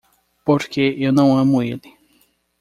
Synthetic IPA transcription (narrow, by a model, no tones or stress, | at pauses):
poɾkeewnɐ̃w̃ɐ̃mʊelɪ